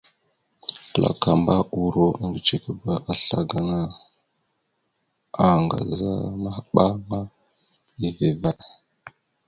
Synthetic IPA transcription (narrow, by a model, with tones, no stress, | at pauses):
pə˨lʔa̰˨ka˨mba˦u˨ɾo˦˨a˨ŋɡi˨t͡ʃe˨kə˦ba˨ʔa˨ɬa˨ɡa˦ŋa˦ | a˨ŋɡa̰˨za̰˦ma˦hɓa˦ma˦ | i˦ve˨va˦˨